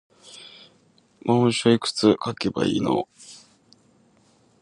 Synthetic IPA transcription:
mãɕoikɯ̟̥t͡sɨkakeba̰ḭːno̰

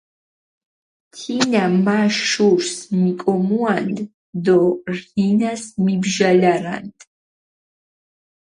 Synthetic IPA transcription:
t̪ʰinamaʃuɾsmikʼɔmuand̪ | d̪ɔrinasmibʒalaɾa̰nd̪

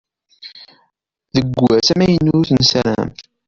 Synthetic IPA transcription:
ðəɡʷːæsæmæjənːʊɾθənsæɾæ̰m

